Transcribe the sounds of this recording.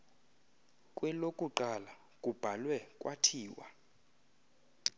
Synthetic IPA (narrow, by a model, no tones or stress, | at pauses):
kʼwɛlokʼuǃala | kʼub̥ʱalwɛkʼwa̰tʰiːwa̰